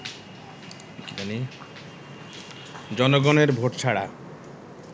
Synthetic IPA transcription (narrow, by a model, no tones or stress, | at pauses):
kiani | d͡ʑɔnoɡoneɾbʱoʈt͡ɕʰaɽa̰